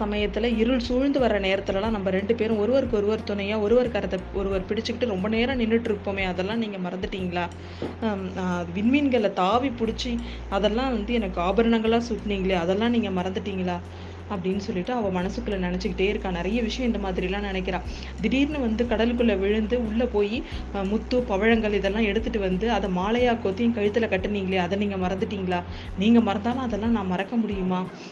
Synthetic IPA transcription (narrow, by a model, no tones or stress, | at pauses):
sɐmɐjɐt̪ːɪlɐɪɾɯɭsuːɻnd̪ɯʋɐɾːɐneːɾɐt̪ːɯlɐlãːnɐmbɐɾɛɳɖɯpeːɾʊ̃ɔɾɯʋɐɾɯkːɯɔɾɯʋɐɾt̪ʊnɐjaːɔɾɯʋɐɾkaɾɐt̪ːɐɔɾɯʋɐɾpɪɽɪt͡ʃːɯkːɪʈːɯɾɔmbɐneːɾãnɪnːɯʈːɪɾɯpːoːmeːɐðɛlːãːniːŋɡɐmɐɾɐnd̪ɯʈːiːŋɡɐɭaː | ðɯʋɪnmiːnɡɐɭt̪aːʋipʊɽɪt͡ʃːi | ɐðɛlːãːʋɐnd̪ɯɛnɐkːɯaːbɐɾɐɳɐŋɡɐɭaːsʊkniːŋɡɐɭeːɐðɛlːãːniːŋɡɐmɐɾɐnd̪ɯʈːiːŋɡɐɭaː | ɐpːɐɽɪnːɯsɔlːɪʈːɯɐʋɐ̃ːmɐnɐsɯkːɯɭɐnɪnɛt͡ʃːɯkːɪʈːeːɪɾɯkːãːnɪɾɐjɐʋɪʂɐjɐ̃ɪnd̪ɐmaːðɪɾɪlãːnɪnɛk̬ːɪɾãː | d̪ɪɽiːɾnɯʋɐnd̪ɯkɐɽɐlɯkːɯɭːɐʋɪɻɯnd̪ɯʊɭːɐpoːji | mʊt̪ːupɐʋɐɻɐŋɡɐɭɪðɛlːãːɛɽɯt̪ːɯʈːɯʋɐnd̪ɯɐðɐmaːlɐjaːkoːt̪ːɪjʊ̃kɐɻɪt̪ːɯlɐkɐʈːɯniːŋɡɐɭeːɐðɛniːŋɡɐmɐɾɐnd̪ɯʈːiːŋɡɐɭaː | niːŋɡɐmɐɾɐnd̪aːlɐ̃ɐðɛlːãːnãːmɐɾɐkːɐmʊɽɪjɯmaː